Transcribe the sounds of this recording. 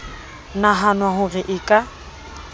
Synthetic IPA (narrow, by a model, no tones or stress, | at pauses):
naɦanwaɦʊrɪʔɪːkʼa